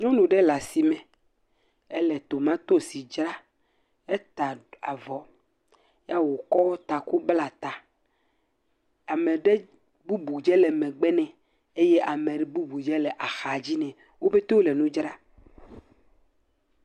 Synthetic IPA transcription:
ɲɔ̃˦nũ˨ɖɛ˦la˨si˨mɛ̃˨ | ɛ˦lɛ˨t̪o˨mã˦t̪o˦si˨d͡ʒɾa˦ | ɛ˦t̪a˨a˨vɔ˨ | ja˦wo˨kɔ˦wɔ˦t̪a˨ku˦bla˨t̪a˨ | a˨mẽ˨ɖɛ˦ | bu˦bu˨d͡ʒɛ˦lɛ˨mɛ̃˨ɡ͡bɛ˦nɛ̃˨ | e˦jɛ˦ʔa˨mẽ˨ɖɛ˨bu˦bu˨d͡ʒɛ˦lɛ˨ʔa˨xa˨d͡ʑi˦nɛ̃˨ | wo˦be˦t̪e˦wo˦lɛ˨nũ˦d͡ʒɾa˦

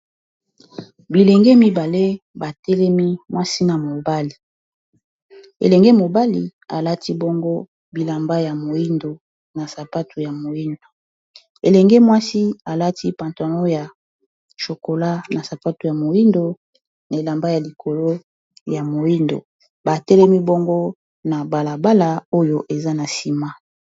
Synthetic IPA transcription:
bi˨lɛ˨ŋɡɛ˦mi˦ba˨le˦ba˨tɛ˦lɛ˦mi˦mwʔa˦si˦na˨mo˨ba˦li˨ | ḛ˨lɛ˨ŋɡe˦mo˨ba˦li˨a˨la˦ti˦bo˦ŋɡo˦ | bi˨la˨mba˦ja˨mo˨i˦ndo˨ | na˨sa˨pa˦tu˨ja˨mo˨ji˦ndo˨ | ḛ˨lɛ˨ŋɡe˦mwa˦si˦a˨la˦ti˦pã˨nto˨no˦ja˨ | ʃo˨ko˨la˦na˨sa˨pa˦tu˨ja˨mo˨ji˦ndo˨ | na˨e˨la˨mba˦ja˨li˨kʰo˨lo˦ | ja˨mo˨ji˦ndo̰˨ | ba˨tɛ˦lɛ˦mi˦bo˦ŋɡo˦ | na˨ba˨la˨ba˦la˨o˦jo˦ʔe˨za˦na˨si˨ma˦

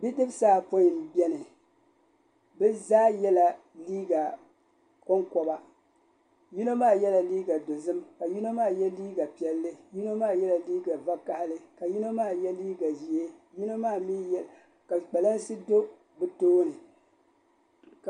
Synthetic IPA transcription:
bi˦dɨ˦bsaː˦po˦˨mbɛ˦nɨ˨ | bɛ˦zaː˦jɛ˦la˨ | liː˦ɡa˨ | kɔ˦ŋkɔ˨ba˦ | ju˦no˦maː˦˨jɛ˦la˨liː˦ɡa˨do˨zɨ˦mka˨ju˦no˦maː˦˨jɛ˦liː˦ɡa˨pi˨ɛ˨lːɨ˦ju˦no˦maː˦˨jɛ˦la˨liː˦ɡa˨va˦ka˦ha˦lɨ˦ka˨ji˦no˦maː˦˨jɛ˦liː˦ɡa˨ʒi˨e˦ji˦no˦maː˦˨mi˦j | ka˨k͡pɛ˨la˦nsɨ˦do˦ | bɨ˨toː˦nɨ˨

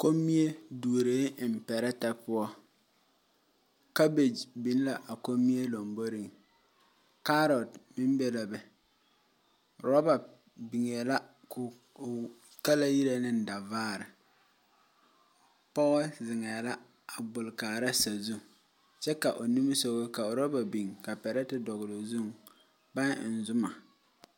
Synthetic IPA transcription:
ko˦mːi˦e˦du˨ɾeː˨˦˨m̩˨pɛ˨ɾɛ˦ta˦pʊ˦ɔ˦ | ka˦be˨d͡ʒbi˨n˦la˨ʔa˨ko˦mːi˦e˦lo˨mbo˦ɾi˦˨ŋ | ka˦ɾɔ˨tmɪ˦m˦bɛ˦la˨bɛ˨ | ɾɔ˦ba˨ | bi˨ŋɛ˨la˦ | k | ka˦la˦ji˦ɾe˨nɪ˦n̩˨da˨vaː˦˨ɾɪ˨ | pɔ˦ɣzɪ˨ŋɛ˨la˦ | a˨bʊ˨lkaː˨ɾa˦sa˨zu˦ | t͡ʃɛ˦ka˨ʔo˨ni˦m˦so˦ɣo˦ka˨o˨ɾɔ˦ba˨bi˨ŋka˨pɛ˨ɾɛ˦tɪ˦dɔ˨ɣʊ˨lo˨zu˦ŋ | ba˦nɪ˨n̩˨zʊ˦ma˨

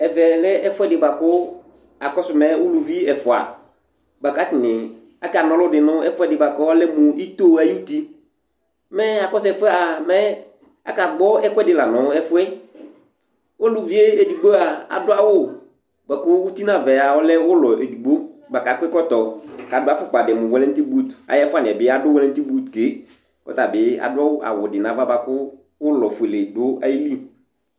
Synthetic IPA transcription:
ɛ˨vɛ˨lɛ˦ɛ˦fʊ˦ɛ˦dɪ˨ba˨kʊ˦ | a˨kɔ˦sʊ˨mɛ˦wʊ˦lu˨vi˦ɛ˨fʊ˨a̰˨ | ba˨ka˦kɪ˨nɪ˨ | a˨ka˨nɔ̃˨˦lʊ˦dɪ˨nʊ̃˦ɛ˦fʊ˦ɛ˦dɪ˨ba˨kɔ˦ɔ˦lɛ˦mʊ̃˨i˦t̪o˦a˨ji˦u˦t̪i˦ | mɛ˦a˨kɔ˦sɛ˨fʊ˦ɛ˦a˨mɛ˦ | a̰˨ka˨ɡ͡bɔ˦ɛ˦kɛ˦dɪ˨la˨nʊ̃˨˦ɛ˦fʊ˦ɛ˦ | wo˦lʊ˨vi˦e˦e˨di˨ɡ͡bo˦a˨a̰˨dʊ˦a˦wʊ˦ | ɡ͡bɛ˨kʊ˦wu˦t̪i˦nã˦˨vɛ˨a˨wɔ˦lɛ˦wʊ˦lɔ˨e˨du˨ɡ͡bo˦ɡ͡ba˨ka˨k͡pɛ˦kɔ˦t̪ɔ˨ka˨dʊ˦a˦fʊ˦k͡pa˨dɪ˨mʊ̃˨wɛ˦lɛ˦t̪i˦bu˦t̪a̰˨jɛ˦fʊ˦a˦˨nɪ̃˨ɛ˨bɪ˦a˦dʊ˦wɛ˦lɛ˦n̩˦t̪i˦bu˦t̪ke˨˦ | kɔ̰˦ta˨bɪ˨˦a̰˨dʊ˦a˦wʊ˦ʔa̰˨wʊ˨dɪ˨nã˨˦va˦ba˨kʊ˦ | wʊ˦lɔ˨fʊ˨e˨le˨dʊ˦a̰˦ji˦li˦˨

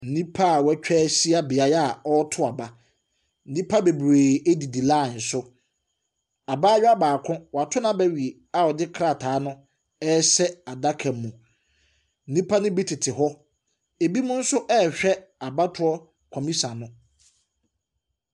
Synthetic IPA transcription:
n̩˨nĩ˦pʰa˦˨wɛ˦t͡ɕᶣɛː˦si˦a˦bɪ˨a˨ja˨ɔ˦tʰʊ˦a˨ba˨ | n̩˦nĩ˦pʰa˦be˨bɾeː˨e˦di˨di˨la˦˨n̩˨sʊ˦ | a˨ba˦ɥᶣa˦baː˨kʰʊ̃˦wɔ˨a˨tʰʊ˦nã˦bɛ˦ɥi˨e˨ | a˨wɔ˨dɪ˦kʰɾa˨tʰaː˨˦nʊ̃˦ | ɛ˦sɛ˦a˨da˦kʰɛ̃˨m˨mːũ˨ | n̩˦nĩ˦pʰa˦nɪ̃˦bi˦tʰɪ˨tʰɪ˨ɦɔ˦ | e˨bi˦mʊ̃˦n̩˦sʊ˦ʔɛ˦˨ɕᶣɛ˦a˨ba˦tʰʊ˦ɔ˦ | kʰɔ̃˨mĩ˦sã˨nʊ̃˦

